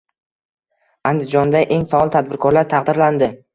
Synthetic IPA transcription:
and̪ɪd͡ʒɒnd̪aʔe̞ŋfaɒlˠt̪ʰad̪̚bɪɾkʰɒɾlaɾt̪ʰaqd̪ɪɾland̪ɪ

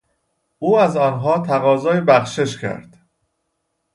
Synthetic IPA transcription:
ʔuːæzɒːnɦɒːt̪ʰæɣɒːzɒːjebæxʃe̞ʃcʰæ̰ɾd̪̥

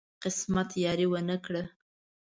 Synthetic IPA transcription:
qɪsmat̪jɑɾiwənəkɽə

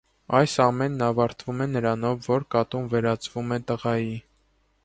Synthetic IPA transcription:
ɑjsɑmɛnːɑvɑɾt̪ʰvumɛnəɾɑnɔvːɔɾkɑt̪umvɛɾɑt͡sʰvumɛt̪əʁɑji

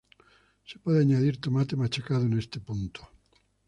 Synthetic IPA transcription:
se̥pɔðeaɲaðiɾt̪omat̪emat͡ʃakaðonest̪epunt̪ʰo̥

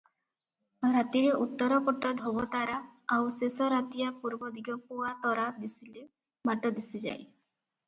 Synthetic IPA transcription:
ɾat̪iɾeʔut̪ːɔɾɔkɔʈɔd̪ʱobɔt̪aɾaawsesɔɾat̪ijapuɾbɔd̪ʱiɡɔpuat̪ɔɾad̪isile | maʈɔd̪isid͡ʒa̰j

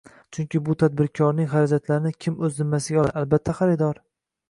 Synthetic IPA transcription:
t͡ʃʰʊŋkʲɪbʊt̪ʰad̪̚bɪɾkʰɒɾnɪŋχaɾad͡ʒat̪laɾɪnɪkʲʰɪmɵznɪmːasɪɡʲaɒalbat̪ʰːaχaɾɪd̪ɒɾ

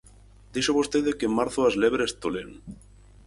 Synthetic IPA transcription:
d̪iʃoβost̪eðekemaɾθoazleβɾest̪olen

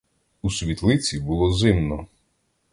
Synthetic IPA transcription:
usʲʋʲit̪lˠɪt͡sʲibulˠɔzɪmnɔ

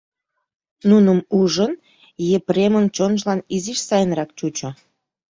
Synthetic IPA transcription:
nunəmuʒən | jepremənt͡ɕonʒlɑniziʃsɑjənrɑk̚t͡ɕut͡ɕo

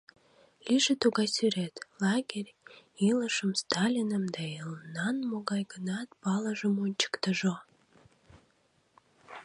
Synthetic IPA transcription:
lʲiʒet̪uɣɑjsyɾet̪lɑɡerʲiləʃəmst̪ɑlʲinəmd̪ɑilənɑnmoɣɑjɡənɑt̪pɑləʒəmonʲt͡ɕə̥kt̪əʒo

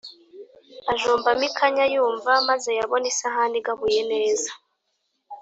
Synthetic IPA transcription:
aʒoːmbamikʰaɲajuːɱvamaze̞jaβo̞nisaɦaːndiɡaβuje̞ne̞ːza

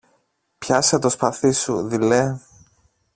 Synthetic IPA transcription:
pçɐset̪ospɐθisuðile

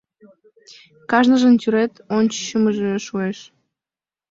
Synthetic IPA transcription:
kɑʒnəʒənt̪ʲyɾet̪onʲt͡ɕə̥ɕəməʒeʃueʃ

